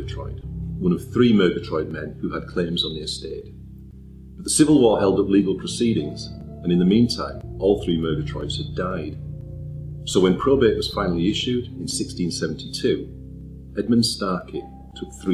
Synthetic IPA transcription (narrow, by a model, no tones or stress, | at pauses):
ətʰɹ̥ɔ̰ɪdwʌ̃ñʌv̥θɹimɜ˞ɡətʰɹ̥ɔɪd̚mɛ̃nhʉəd̚kʰl̥ẽmzn̩ðə˞sted̥ | b̥ʌʔ̪ðəsɪvəl̩ˠwɔɹhɛlˠdʌplˠiɡəl̩ˠpʰɹ̥əsiɾɪ̃ŋz̥ | ə̃nɨ̃nðəmĩntʰã̰ɪ̃mɔlˠθɹimɜ˞ɡətʰɹ̥ɔ̰ɪtz̥hɨdaɪd̥ | soʊwə̃npʰɹ̥obeʔwʌz̥fãɪ̃nl̩ˠiɪʃʉdɪ̃nsɪkstĩnsɛṽn̩tʰitʰʉ | ɛd̚mə̃nd̥staɹkʰi | tʰʊk̚θɹi